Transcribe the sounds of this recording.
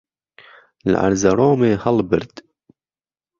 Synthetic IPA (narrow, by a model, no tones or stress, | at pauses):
l̰ʔa̰ɾzaɾoːmeːhɑlbɨɾd̪